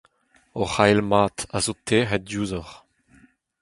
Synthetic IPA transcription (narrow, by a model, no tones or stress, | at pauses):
ɔχajlmaːt̪azot̪ʰeːʁɛt̚djuːzɔʁ